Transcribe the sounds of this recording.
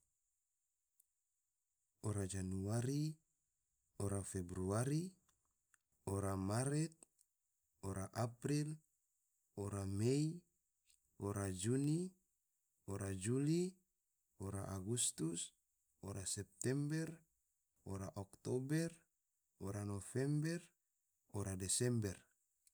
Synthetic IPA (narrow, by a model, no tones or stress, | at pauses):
oɾad͡ʒanuaɾi | oɾafebɾuaɾi | oɾamaɾɛt̪̚ | oɾaʔapɾil | oɾamei | oɾad͡ʒuni | oɾad͡ʒuli | oɾa̰ʔaɡust̪us | oɾasɛp̚t̪ɛmbɛr | oɾaʔokt̪obɛr | oɾanofɛmbɛr | oɾadɛsɛmbɛr